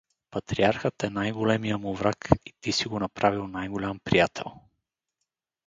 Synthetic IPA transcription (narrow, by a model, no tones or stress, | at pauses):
pɐt̪ɾiaɾxət̪ɛnajɡolɛmijəmʊvɾakit̪isiɡonɐpɾavilˠnajɡolʲampɾijat̪ʰɛ̰lˠ